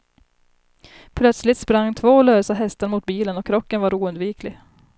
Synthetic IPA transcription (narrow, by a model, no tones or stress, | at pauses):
pʰlœt̪slɪt̪spɾaŋːt̪ʰvoːløːsaɦɛst̪əɾmʊt̪̚biːlənɔkʰːɾɔkːənvaɾuːɵnd̪viːkʰlɪɡ